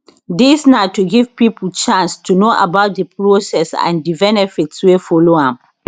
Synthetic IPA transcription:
disnatuɡivpipult͡ʃãnstunoʔa̰baʊt̚dəpɹosɛsã̰ndibɛnɛfitswefɔloãm

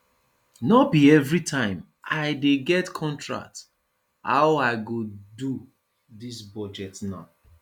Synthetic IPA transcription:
nɔbiɛvɹitʰãɪ̃m | aɪdeɡɛtkʰɔ̃ntɹa̰k̚t | ha̰ʊaɪɡodu | ðisbɔd͡ʒɛtnaʊ

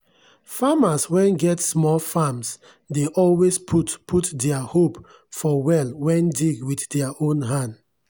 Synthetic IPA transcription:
famaswɛ̃nɡɛtsmɔlfams | deʔɔlwespʰutpʰutdɛahop | fɔwɛlwɛ̃ndiɡwiθdɛaʔõnɦãnd

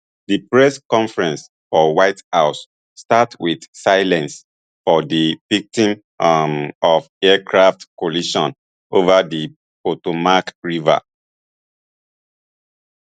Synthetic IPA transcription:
dipɹɛskɔ̃ɱfɹɛ̃ns | fɔwaɪthaʊsː | tatwiθsaɪlɛ̃ns | fɔdivik̚tĩm | ɔvɛkʰɹaftkoliʃɔ̰̃n | ovadi | potomakɹiva̰

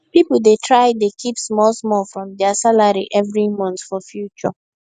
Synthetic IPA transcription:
pipl̩detɹaɪdekʰipsmɔlsmɔlfɹɔ̃mdɛasalaɾiʔɛvɾimɔ̃ntsfɔfjut͡ʃɔ̰

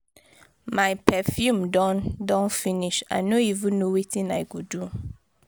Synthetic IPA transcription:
majpɛfjũmdɔ̃ndɔ̃nfiniʃa̰jnoivũnnːowitĩnajkudu

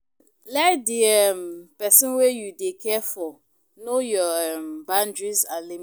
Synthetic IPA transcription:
laɪk̚diɛmpɛsĩnwejudekʰɛfɔ | nojɔɛmbãndɹizali

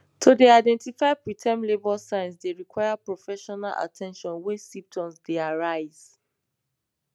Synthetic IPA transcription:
tʰodeaɪdɛ̃ntifaɪpɹitʰɛ̃mlebɔlsãɪ̃ns̬deɹikʰwaɪapɹɔfɛʃɔnalʔa̰tʰɛ̃nʃɔ̃nwɛsĩp̚tʰɔ̃msdeaɹaɪz̥

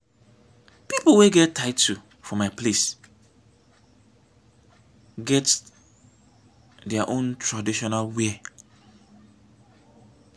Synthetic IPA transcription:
pipolweɡɛtːaɪtu | fɔ̃maples | ɡɛt | dɛaʔõntɹadiʃɔnalwe

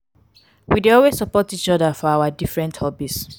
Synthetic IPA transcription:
wideɔlwessɔpɔtit͡ʃɔðafɔawadifɹɛ̃nthɔbits

